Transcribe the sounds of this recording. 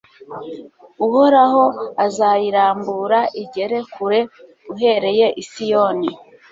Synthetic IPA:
uho̞ɾaho̞azajiɾaːmbuːɾaʔiɟe̞ɾe̞kuɾe̞ɡuɦe̞ɾe̞je̞ʔisijo̞ni

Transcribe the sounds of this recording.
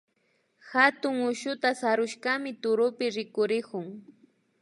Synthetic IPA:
xat̪ʊŋʊʃʊt̪asaɾʊʃkamɪt̪ʊɾʊpɪɾɪkʊɾɪkʊŋ

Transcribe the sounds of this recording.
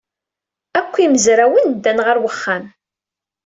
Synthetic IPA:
ækʷːiməzɾæwənd̪ːænʁəɾwəχːæm

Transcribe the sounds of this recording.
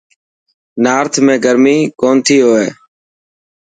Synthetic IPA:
naːɾt̪ʰmẽːɡəɾmiːkoːnt̪ʰiːɦoːeː

